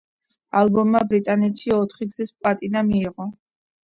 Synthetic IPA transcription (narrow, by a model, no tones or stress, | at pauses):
alˠbɔmːabɾit̪ʼanɛt̪ʃiɔt̪ʰχiɡz̥ispʼlat̪ʼinamiːʁɔ